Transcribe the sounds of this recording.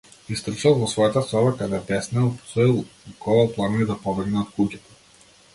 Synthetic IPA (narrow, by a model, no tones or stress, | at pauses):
ist̪r̩ʃalˠvɔsvɔjat̪asɔbakad̪ɛpɛsnɛlˠpɔ̥sɔilˠkʰɔvalˠplˠannid̪apɔbɛɡnɛɔt̪̚kucɛt̪ḁ